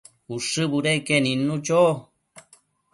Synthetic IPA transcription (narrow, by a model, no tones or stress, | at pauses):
uʂɨbuɾekenĩnũt͡ʃo